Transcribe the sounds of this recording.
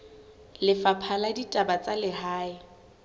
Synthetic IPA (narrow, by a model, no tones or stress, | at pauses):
lɪfapʰaladitʼabat͡sʼalɪhaːɪ